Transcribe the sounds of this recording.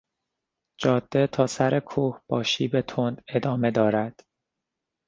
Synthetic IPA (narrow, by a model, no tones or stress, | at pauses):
d͡ʒɒːd̪̥ːe̞t̪ʰɒːsæɾʔe̞kʰuːhb̥ɒːʃiːbet̪ʰond̪e̞d̪ɒːme̞d̪ɒːɾæd̪̥